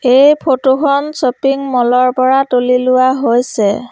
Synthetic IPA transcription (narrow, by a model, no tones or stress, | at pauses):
ejpʰotokʰɔnsopiŋmɔlɔɹpɔɹatolilʊwaɦojsɛ